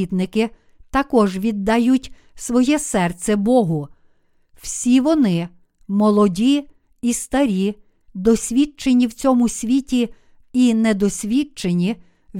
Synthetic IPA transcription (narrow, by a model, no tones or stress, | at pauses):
it̪nɪkɪ | t̪ɐkɔʒʋʲid̪ːɐjutʲ | sʋɔjɛsɛrt͡sʲɛbɔɦʊ | w̥sʲiʋɔnɪ | mɔlˠɔdʲi | ist̪ɐɾʲi | d̪ɔsʲʋʲit͡ʃenʲiwt͡sʲɔmʊsʲʋʲitʲi | inɛd̪ɔsʲʋʲit͡ʃenʲi | ʋ